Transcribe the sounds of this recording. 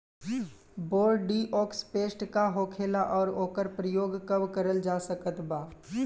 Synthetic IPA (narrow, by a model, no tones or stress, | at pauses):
boːɾɖɖiːʔɔːkspeːsʈkaɦoːkʰeːlaʔɔːɾoːkəɾpɾəjoːɡkəbkəɾəld͡ʒaːsəkət̪baː